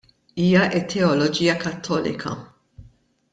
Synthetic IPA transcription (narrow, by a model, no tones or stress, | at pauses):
iːjɐʔɪt̪ʰːɛɔlɔd͡ʒiːjɐkɐt̪ʰːɔːlɪ̰kʰɐ̰